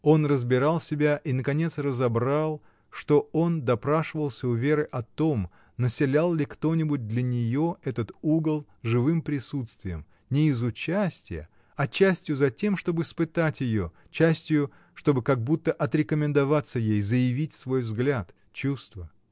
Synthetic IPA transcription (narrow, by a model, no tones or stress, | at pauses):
o̞nrəzbʲɪɾalˠsʲɪbʲaʔinəkɐnʲe̞t̪srəzɐbɾalˠ | ʂt̪o̞o̞nd̪ɐpɾaʂɨvəlˠsʲəʊvʲe̞ɾɨʔɐt̪o̞m | nəsʲɪlʲalˠlʲɪkt̪o̞nʲɪbʊt̚ʲd̪lʲənʲɪjoɛt̪ət̪uɡəlˠ | ʐɨvɨmpɾʲɪsut̪st̪vʲɪjəm | nʲɪːzʊt͡ɕæsʲtʲɪjə̰ | ɐt͡ɕːæsʲtʲjʊzɐtʲe̞mʂt̪o̞bɨɪspɨt̪atʲjɪjo̞̰ | t͡ɕːæsʲtʲjʊ | ʂt̪o̞bɨkɐɡ̚but̪ːəʔɐt̪ɾʲɪkəmʲɪnd̪ɐvat̪sːəjejzəjɪvʲitʲsvo̞jvzɡlʲat̪ | t͡ɕust̪və